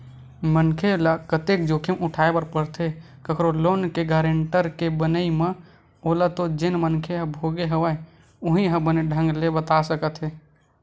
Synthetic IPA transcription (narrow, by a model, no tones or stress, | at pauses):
mənkʰelakət̪ek̚d͡ʒoːkʰemʔʊʈʰaːebəɾpəɾt̪ɦe | kəkʰɾoloːnkeɡaːɾeɳʈəɾkebənəimə̃ | oːlat̪od͡ʒɪnmənkʰeɦəbʱoːɡeɦəʋəe | ʊɦĩɦəbəneɖʱə̃ŋɡlebət̪asəkət̪ɦeː